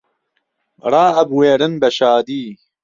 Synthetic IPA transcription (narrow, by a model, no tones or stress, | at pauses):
ɾˤɑːɐbweːɾɨnbɐʃaːd̪iː